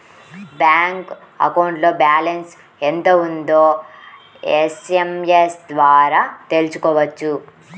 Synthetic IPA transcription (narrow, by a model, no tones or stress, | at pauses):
baːŋk | ɐ̰kɐwɳʈlo̞ːbaːlens | ent̪ound̪oː | esemjesd̪ʋaːɾaːt̪elusu̥kɔːʋɐt͡ʃːu